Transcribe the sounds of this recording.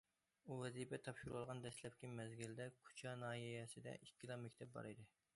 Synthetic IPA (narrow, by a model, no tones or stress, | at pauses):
uvɛzipʰɛt̪ʰɑpʃuɾulˠʁɑnd̪ɛslɛpkʲimɛzɡʲild̪ɛkʰu̥t͡ʃʰɑnɑːɦijɛsɪd̪ɛ̰ʔikʲʰːilˠɑmɛkʲt̪ʰɛp̚bɑ̰ɾɨd̪ɨ